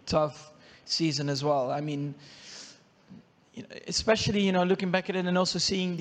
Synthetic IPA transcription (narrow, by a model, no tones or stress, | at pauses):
tʰʌfsizɨ̃nɨzwɛlˠa̰ɪmĩn | jɨɨspɛʃl̩ˠijɨñoʊlʊkɪ̃ŋbækɨɾɨɾɨ̃nɔlˠsoʊsiɪ̃ŋð